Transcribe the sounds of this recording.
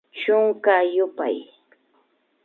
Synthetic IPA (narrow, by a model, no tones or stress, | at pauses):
t͡ʃʊŋkajʊpa̰j